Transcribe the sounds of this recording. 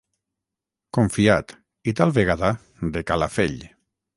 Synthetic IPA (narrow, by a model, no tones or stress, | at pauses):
koɱfiat̪ | it̪alˠβeɣ̞aða | d̪ekalafḛʎ